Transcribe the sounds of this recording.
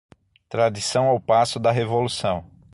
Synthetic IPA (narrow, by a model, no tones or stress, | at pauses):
t̪ɾad̪isɐ̃w̃awpasʊd̪ɐɦevolusɐ̃w̃